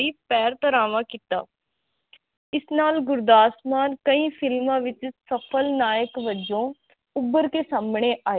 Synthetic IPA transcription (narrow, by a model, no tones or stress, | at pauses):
iːpɛːɾt̪əɾaːʋãːkɪt̪a̰ː | ɪsnaːlɡʊɾd̪aːsmaːnkəĩːpʰɪlmãːʋɪt͡ʃsəpʰəlnaːjəkʋəd͡ʒõː | ʊbːəɾkeːsaːmɳeːʔaː